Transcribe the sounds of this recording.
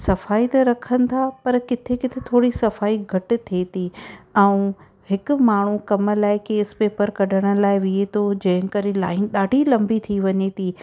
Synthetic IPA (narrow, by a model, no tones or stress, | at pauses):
sɐfaːit̪ɐɾɐkʰənɪ̆t̪ʰapɐɾkɪt̪ʰekɪt̪ʰet̪ʰoːɽisɐfaːiɡʱɐʈʊ̆t̪ʰet̪ʰiɛ̃ũ | hɪkʊ̆maːɳ̤ukɐm̆laːɪkeːspeːpəɾkɐɖʱəɽ̃ʊ̆laːɪʋiet̪ʰod͡ʑɐ̃ɦɪ̃kɐɾelaːɪnɗaːɖʱilɐ̃mbit̪ʰiʋɐɲet̪ʰiː